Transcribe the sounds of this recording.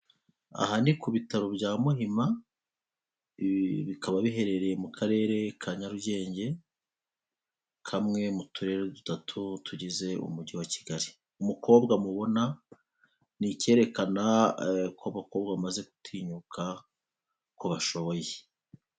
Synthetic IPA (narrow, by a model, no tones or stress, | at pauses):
a̰ɦanikuβitaɾo̞bɟaːmuhima | βikaβaβiɦe̞ɾe̞ɾe̞mukʰaɾe̞ːɾe̞kʰaɲaɾuɟe̞ːɲɟe̞ | kʰamŋe̞mutʰuɾe̞ːɾedutatʰutuɟize̞ṵmuɟiwaci̥ɡaɾi | umuko̞ːbɡamuβo̞na | nice̞ːɾe̞kanakʰoβako̞ːbɡamaze̞ku̥tʰiɲuka | koβaʃo̞βo̞je